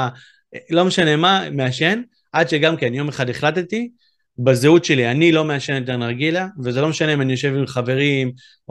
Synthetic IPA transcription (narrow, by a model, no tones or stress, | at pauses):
lo̞me̞ʃane̞mameaʃe̞n | ʔadʃe̞ɡamkenjo̞meχadeχlat̪ti | bazeutʃe̞lianilo̞me̞aʃeneteʁnaʁɡilavezelo̞meʃane̞imanijo̞ʃe̞vimχave̞ʁim